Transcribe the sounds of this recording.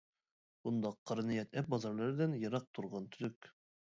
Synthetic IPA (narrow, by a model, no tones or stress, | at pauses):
und̪ɑqʰːɑɾnijɛt̪æp̚bɑzɑɾlˠɑɾɘd̪ænjɤ̆ɾɑq̚t̪ʰuɾʁɑnt̪ʰɵ̆lɵk